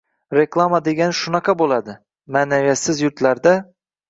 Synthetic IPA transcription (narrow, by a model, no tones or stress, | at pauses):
ɾe̞klˠamad̪eɡʲanʃʊnɑqʰɑbolˠad̪ɪ | manavijat̪sɪzjʊɾt̪laɾd̪a